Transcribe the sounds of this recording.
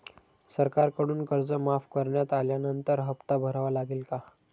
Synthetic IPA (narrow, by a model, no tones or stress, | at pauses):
səɾkaɾkəɽuːnkəɾd͡zəmafkəɾɳjat̪aljanənt̪əɾɦəpt̪abʱəɾaʋalaɡeːlka